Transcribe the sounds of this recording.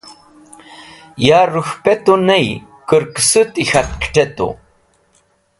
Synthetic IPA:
jaːɾʊxpet̪unaj | kəɾksɨt̪ixat̪kʰʈ͡ʂet̪ṵ

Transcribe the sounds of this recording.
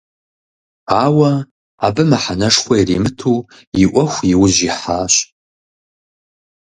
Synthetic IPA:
aːwɐ | a̰bɨmɐħanɐʂxʷɐjɛrḭːmɨtʰuː | jiʔʷɔxʷjiwʊʑiħaːɕ

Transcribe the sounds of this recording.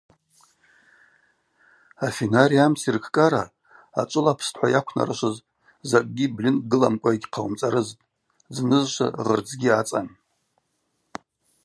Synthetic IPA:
afenaɾiamt͡sʰirkʰkʼaɾa | a̰t͡ʃʷʼɨlapʰstʰħʷa̰jakʷʰna̰ɾɨʃʷɨz | zakʼɡʲiblinɡɨlamkʷʼaiɡʲqʰawmt͡sʼaɾɨztʼ | znɨzʃʷa̰rɨrd͡zɡʲiat͡sʼan

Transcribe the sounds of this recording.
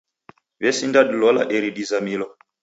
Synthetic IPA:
βɛsindaɗilɔla̰ʔɛɾiɗizamilɔ

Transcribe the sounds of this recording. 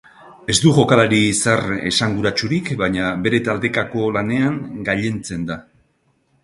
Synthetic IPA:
e̞zd̪uʝo̞kalaɾisare̞̰saŋɡuɾat͡ʃuɾikbaɲaβe̞ɾe̞t̪ald̪e̞kako̞lane̞aŋɡaʎe̞nt͡se̞nd̪a

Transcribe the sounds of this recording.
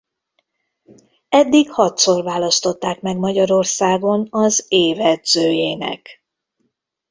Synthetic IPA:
ɛd̪ːikhɒt̪so̞rvaːlɒst̪o̞t̪ːaːkmɛɡmɒɟɒɾo̞rsaːɡo̞nɒzeːvɛd̪z̥øːjeːnɛ̰k

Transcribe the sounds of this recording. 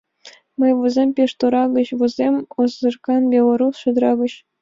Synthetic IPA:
mɤjʋɯ̆zʲemʲpʲeʂt̪uɾɑɡɤ̆ɕʋɯ̆zʲemʲozɤ̆rkɑnbʲelˠoɾusʂŭd̪ɾɑɡɤ̆ɕ

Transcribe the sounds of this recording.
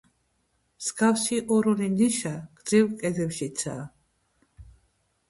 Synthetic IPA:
msɡafʃiʔɔɾɔniniʃaɡ̥d̪zivkʼɛd̪ɛpʃit̪sʰa̰

